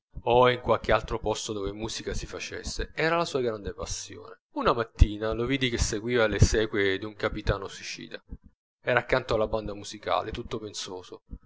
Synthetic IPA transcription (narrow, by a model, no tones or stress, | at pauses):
oiŋkwalk̟ealt̪ɾopɔst̪od̪oːvemuːzikasifat͡ʃḛsːeɛːɾalasuːaɡɾand̪epa̰sːjo̰ːne | unamat̪ːiːnaloviːd̪ik̟esːeɡwiːvalesɛːkwed̪iuŋkapit̪aːnoswit͡ʃḭːd̪a | ɛːɾaːkːant̪oalːaband̪amuz̥ika̰ːlʔet̪ut̪ːopensoːzo